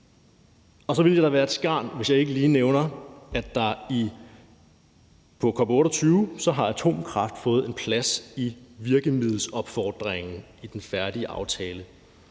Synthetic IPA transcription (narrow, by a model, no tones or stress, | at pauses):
ɒ̽sɒ̽ʋild̥jɑd̥ɾɑ̈ʋæːɐed̥sɡ̥ɑ̰̈ːnʋe̝sjɑ̈ɪe̝ɡ̥əliːneʊnɐæd̥ːɑ̈i | pʰɒ̽kʰɒ̽b̥ɔ̽ːɾɒt͡sʰyːʊsɒ̽ɦɑ̈æt͡sʰo̝̰ːmkʰʁɑ̈fd̥fɔ̽ːð̞̩ˠe̝npʰlæsiʋiɐɡ̥əmiðˠl̩sɒ̽b̥fɒ̰ːd̥ʁeŋn̩ | id̥enfæɐd̥iəʔɑ̈ʊt͡sʰɛːlə